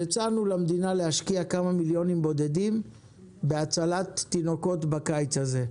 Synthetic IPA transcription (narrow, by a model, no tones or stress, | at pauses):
et͡sanulamd̪inalehaʃkiakamamiljo̞nimbo̞d̪e̞d̪im | beat͡salat̪ːino̞ko̞t̪bakajt͡shaze̞